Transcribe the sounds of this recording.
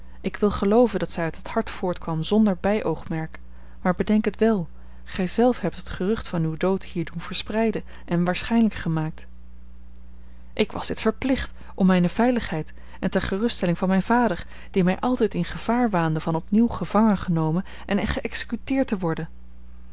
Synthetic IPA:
ʔɪkʋɪlˠχəlowvəndɑtsɛjœɥtəthɑɹtfʊːɹtkʋɑmzɔndəɹbɛjʔowχmɛɹk | maːɹbədɛŋkətʋɛlˠ | χɛjzɛlˠfɦɛp̚tɦətχərɵχtfɑnywdowthiːɹdunv̥əɹsprɛjdə | ɛnʋaːɹsχɛjnləkχəmaːk̚t | ʔɪkʋɑ̰zd̥ɪtfəɹplɪχt | ɔmːɛjnəv̥ɛjləχɦɛjt | ɛntɛɹχərʏsttɛlɪŋvɑnmɛjnv̥aːdəɹ | d̥imɛjʔɑlˠtɛjtɪnχəv̥aːɹʋaːndəvɑnɔpniwχəv̥ɑŋənχənowmən | ʔɛnχəʔɛksə̥kytɪːɹtəʋɔɹdən

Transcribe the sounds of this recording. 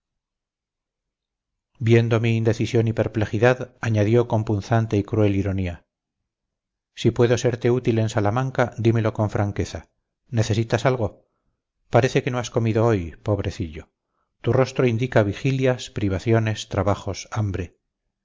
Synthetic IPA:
bje̞nd̪o̞miːnd̪e̞θisjo̞nipe̞ɾple̞xiðaðaɲaðjo̞ko̞mpun̟θant̪eikɾue̞liɾo̞nia | sipwe̞ðo̞se̞ɾt̪e̞ut̪ile̞nsalamãŋkad̪ime̞lo̞ko̞ɱfɾʔaŋke̞θa | ne̞θe̞sit̪asalɣo̞ | paɾeθe̞ke̞no̞asko̞miðo̞o̞jpo̞β̞ɾʔe̞θiʎo̞ | t̪uro̞st̪ɾo̞ind̪ikaβ̞ixiljaspɾiβ̞aθjo̞ne̞st̪ɾaβaχo̞sambɾe̞

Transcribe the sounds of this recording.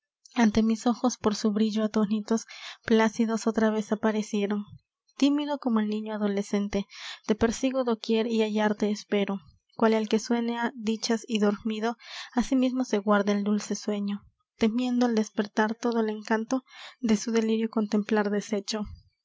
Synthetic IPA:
ant̪e̞miso̞xo̞spo̞ɾsuβɾiʝoat̪onit̪o̞splasiðo̞so̞t̪ɾaβe̞sapaɾe̞sje̞ɾo̞n | t̪imiðo̞ko̞moelnĩɲoaðo̞le̞se̞nt̪e̞t̪e̞pe̞ɾsiɣoðokje̞ɾiajaɾt̪eːspe̞ɾo | kwalelke̞swe̞nead̪it͡ʃasiðo̞ɾmiðo̞asimizmo̞se̞ɣwaɾðaeld̪ulse̞swe̞ɲo̞ | t̪e̞mje̞nd̪oald̪e̞spe̞ɾt̪aɾt̪o̞ðoele̞ŋkant̪o̞ðe̞suðe̞liɾjoko̞nt̪e̞mplaɾðe̞se̞t͡ʃo̞

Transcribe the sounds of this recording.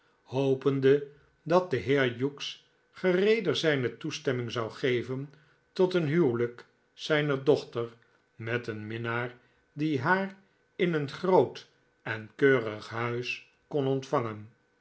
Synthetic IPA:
howpəndə | dɑt̚dəɦɪːɹjuks | χərejdəɹzɛjnətustɛmɪŋzɑwχejvən | tɔtənɦywlək | sɛjnəɹdɔχtəɹ | mɛtənmɪnaːɹ | diɦaːr | ɪnənχrowt | ɛnkøːrəχɦœɥs | kɔnɔntfɑŋən

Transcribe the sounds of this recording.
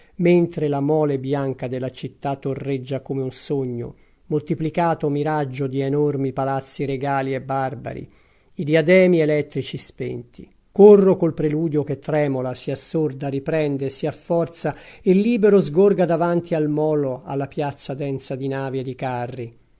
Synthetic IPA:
ment̪ɾelamɔːlebjaŋkad̪elːat͡ʃit̪ːat̪ːorːed͡ʒːakomeunsoɲːo̰ | molt̪iplikaːt̪omiɾad͡ʒːod̪ienormipalat̪sːiɾeɡaːliebːarba̰ɾḭː | d̪iad̪ɛːmielɛt̪ːɾit͡ʃispɛ̰nt̪ḭ | korːokolpɾeluːd̪joket̪ːɾɛːmolasiasːord̪aɾipɾɛnd̪esiafːɔrt̪saelːiːbeɾozɡorɡad̪avant̪ialmɔːloa̰lːapjat̪sːad̪ɛnsad̪inaːvied̪ikarːi

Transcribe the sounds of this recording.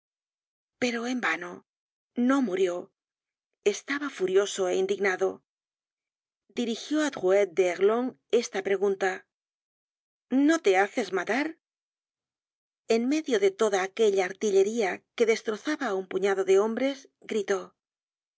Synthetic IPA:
pe̞ɾo̞embano | no̞muɾjo̞ | e̞st̪aβafuɾjo̞so̞eind̪iɡnaðo̞ | d̪iɾixjo̞at̪ɣuet̪̚d̪eːɣlo̞ŋ | e̞st̪apɾe̞ɣunt̪a | no̞t̪e̞aθe̞zmat̪aɾ | e̞nme̞ðjo̞ðe̞t̪o̞ðaːkeʎaːɾt̪iʎe̞ɾiake̞ðe̞st̪ɾo̞θaβaumpuɲaðo̞ðe̞o̞mbɾe̞z | ɡɾit̪o̞

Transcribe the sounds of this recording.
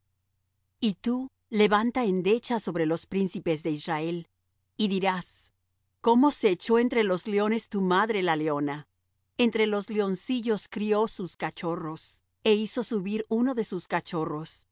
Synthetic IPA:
it̪u | le̞βant̪ae̞nd̪e̞t͡ʃaso̞βɾe̞lo̞spɾinsipe̞zðe̞israe̞l | iðiɾas | ko̞mo̞seːt͡ʃo̞e̞nt̪ɾe̞lo̞zleo̞ne̞st̪umaðɾelaleo̞na | ent̪ɾe̞lo̞zleo̞nsiʝo̞skɾijo̞suskat͡ʃo̞ro̞s | e̞iso̞suβiɾuno̞ðe̞suskat͡ʃo̞ro̞s

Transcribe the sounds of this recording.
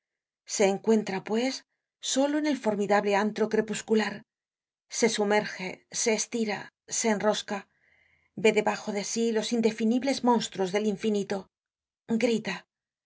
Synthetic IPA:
se̞ːŋkwe̞nt̪ɾapwe̞sː | o̞lo̞ene̞lfo̞ɾmiðaβle̞ant̪ɾo̞kɾe̞puskulaɾ | se̞sume̞ɾxe̞se̞ːst̪iɾa̰ | se̞ːnro̞ska | be̞ðe̞βaxo̞ðe̞silo̞sind̪e̞finiβle̞zmõ̞nst̪ɾozðe̞liɱfinit̪o | ɡɾit̪a

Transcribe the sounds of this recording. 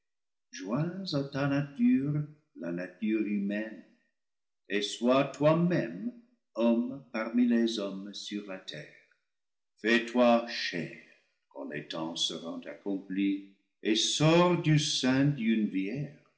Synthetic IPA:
ʒwɛ̃zat̪anat̪yʁ | lanat̪yʁymɛn | eswat̪wamɛ̃m | ɔmpaʁmilezɔmsyʁlat̪ʰɛʁ | fɛt̪waʃɛʁ | kɑ̰̃lḛt̪ɑ̃səʁɑ̃t̪akɔ̃pli | esɔʁd̪ysɛ̃d̪ynvjɛʁ

